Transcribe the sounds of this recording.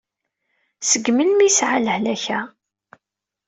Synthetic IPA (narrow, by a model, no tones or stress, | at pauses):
səɡməlmisʕaləhlæçæ